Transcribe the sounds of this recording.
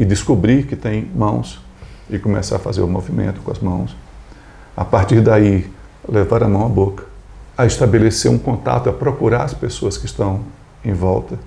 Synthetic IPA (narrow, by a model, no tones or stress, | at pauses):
ɪd̪ɪskubɾiɾkɪt̪ẽj̃mɐ̃w̃s | ɪkõmesa̰ɾɐfazeɾʊmovimḛ̃nt̪ʊ̥kõɐzmɐ̃w̃s | a̰paɾt̪iɾd̪ai | levaɾɐmɐ̃w̃ɐbokɐ̥ɐɪst̪abeleseɾũkõnt̪a̰t̪ʊɐpɾokuɾaɾɐspesoɐskɪst̪ɐ̃w̃ | ẽj̃vɔwt̪ɐ